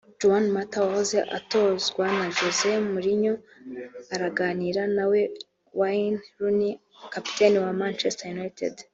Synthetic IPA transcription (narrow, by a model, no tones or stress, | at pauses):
d͡ʒuanmatawahoze̞ʔa̰to̞zɡwanaʒoze̞muɾiɲo | aɾaɡaːniɾanawe̞ | wanɾuni | kapi̥teniwamant͡ʃestajunajtʰḛd